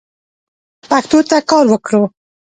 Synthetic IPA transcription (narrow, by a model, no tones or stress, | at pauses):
paxt̪ot̪akɑɾwəkɽo